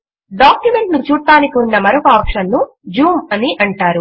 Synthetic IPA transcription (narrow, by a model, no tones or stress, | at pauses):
ɖaːkjume̞ɳʈnut͡ʃuːɽt̪ːaːnikiunːɐmɐɾokɐaːpʂɐnːu | d͡ʒuːmɐniʔɐɳʈaːɾu